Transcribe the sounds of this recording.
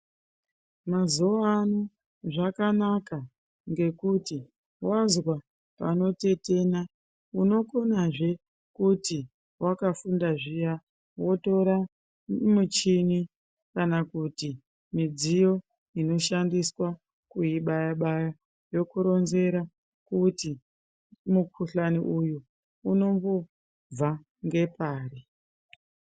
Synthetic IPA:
mazuːnu | ʐakanaka | ŋɡe̞kuti | wazwa | pa̰no̞te̞te̞na | uno̞ko̞naʐe̞ | kuti | wakafundaʐija | wo̞to̞ɾa | mut͡ʃini | kanakuti | mid͡zijo̞ | ino̞ʃandiswa | kuiɓajaɓaja | jo̞kuɾo̞nze̞ɾa | kuti | mukʰuɬaniʔujuː | no̞mbo | b͡va | ŋɡe̞paːri

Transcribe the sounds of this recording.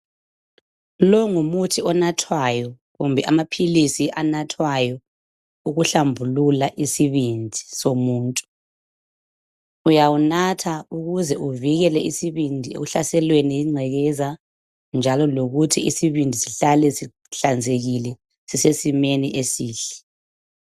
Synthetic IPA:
lɔŋumutʰiɔnatʰwajɔ | ɣumbʱɛʔamapʰilisiʔanatʰwajɔ | uɣuɬambʱululaʔisiβind͡zʱisomuːntʼu̥ | ujawunatʰauɣuzɛʔuviɣɛlɛisiβindʱiḛɣuɬasɛlweniiŋ͡ǀʱɛɣɛza | nd͡ʒʱalɔloɣutʰiisiβindʱisiɬalɛsi | ɬand͡zʱeɣilɛ | sisesimeniʔesiːɬɛ̥

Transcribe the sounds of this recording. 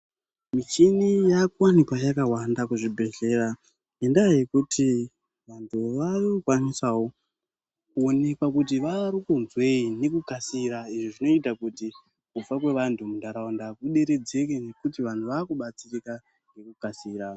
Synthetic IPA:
mit͡ʃinijakuwanikwajakawandakuʐibʱe̞ɮe̞ra | endaje̞kutʰi | ʋantʰuʋarkwanisawo̞ | kuone̞kwakut̬iʋaɾikunzwe̞ine̞kukasiɾaiʐiʐino̞itakuti | kup͡fak̬we̞ʋantʰumundaɾaondakuɗe̞ɾe̞d͡ze̞kene̞kutiʋantuʋaːkuɓat͡sirika | nɡe̞kukasiːɾa

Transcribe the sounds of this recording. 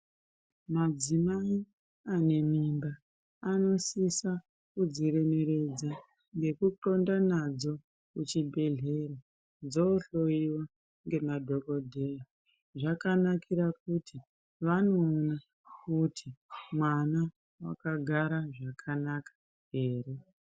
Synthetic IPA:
mad͡zimai | ane̞mimbaː | no̞sisa | kud͡ziɾe̞me̞ɾe̞d͡za | ŋɡe̞kuǃo̞ndanad͡zo̞ | kut͡ʃibʱe̞ɮe̞ra | d͡zoːɬo̞iwa | ŋɡe̞madʱo̞ko̞dʱea | ʐakanakʰiɾak̚utʰi | ʋano̞ːna | kutʰimwana | wa̰kaɡʱaɾaʐakʰanakḁ | ɦe̞ːre̞

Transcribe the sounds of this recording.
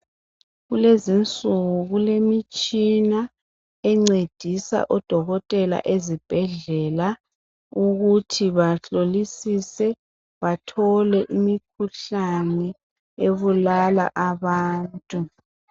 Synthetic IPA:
ɣulezint͡sʼuɣuɣulemit͡ʃʼina | ɛŋ͡ǀed̥ʱisa̰ʔɔd̥ʱɔɣɔtʼɛla̰ʔezib̥ʱɛɮɛla | uɣutʰiβaɬolisisɛ | βatʰɔlɛʔimikʰuɬanɛ | eβulala̰ʔaβaːntʼu

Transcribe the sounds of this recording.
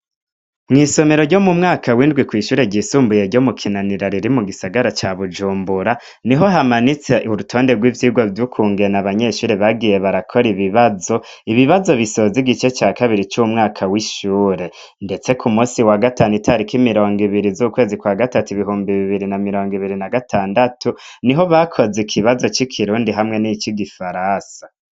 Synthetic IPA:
mŋiːso̞meɾo̞ɾɟo̞mumŋaːkʰawiːndɡwikwiːʃuːɾe̞ɟisuːmbuje̞ɾɟo̞mukʰinaniɾaɾiɾimuɡisaɡaɾat͡ʃaβud͡ʒuːmbuɾa | niɦo̞ɦamanit͡se̞ʔuɾutʰo̞ːndeɡwiːvjiːɡwovjukʰuːŋɡenaβaɲe̞ʃuːɾe̞βaɡije̞βaɾakʰo̞ɾiβiβazo̞ | iβiβazo̞βiso̞ziɡit͡ʃe̞t͡ʃaːkaβiɾit͡ʃumŋaːkʰawiʃuːɾe̞ | nde̞t͡se̞kʰumuːsiwaɡataːnitʰaɾikimiɾo̞ːŋɡiβiɾizukwe̞ːzikwaɡatatuiβiɦuːmbiβiβiɾinamiɾo̞ːŋɡiβiɾinaɡatʰaːndatuniɦo̞βakʰo̞zekʰiβazo̞t͡ʃikʰiɾuːndiɦamŋe̞nit͡ʃiɡifaɾasḁ

